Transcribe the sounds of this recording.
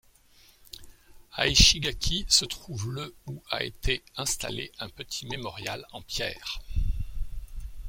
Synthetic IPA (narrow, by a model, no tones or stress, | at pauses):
a̰iʃiɡakʲʰisət̪χuvləua̰ḛt̪ʰeɛ̃st̪a̰leɛ̃pət̪ʰi̥memɔʁja̰lɑ̃pjɛ̰ːʁ